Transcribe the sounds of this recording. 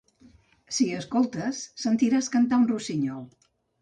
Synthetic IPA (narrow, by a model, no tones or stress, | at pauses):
siəskolˠt̪əsːənt̪iɾaskənt̪aunrusiɲɔlˠ